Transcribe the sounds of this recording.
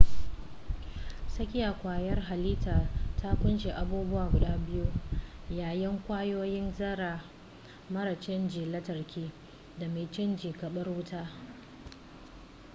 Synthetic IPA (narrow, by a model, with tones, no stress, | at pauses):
sɐ˦kʲɪ˦jaː˨kʷaː˨jɐ˦rɦa˨liː˦taː˨tʰa˦kʷʊ˦nʃeː˨ʔa˨buː˦bʊ˦waː˨ɡʷʊ˨ɗaː˦bɪ˦ju˦jaː˨jɪ˦ŋkʷaː˦joː˦jɪ˦nzɐ˦ɾaː˨ | mɐ˦ɾa˨t͡ʃɪ˦nd͡ʒiː˨lɐ˦tɐ˨rkʲʰiː˦ | da˨meː˨t͡ʃɪ˦nd͡ʒiː˨kɐ˨ɓɐ˦rwʊ˦taː˦